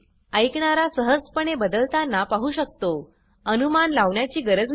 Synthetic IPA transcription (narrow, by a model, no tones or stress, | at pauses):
əjkɳaɾasəɦəspəɳebəd̪əlt̪anːapaɦuɕək̚t̪o | ənumanlaʋɳjat͡ɕiːɡəɾəd͡z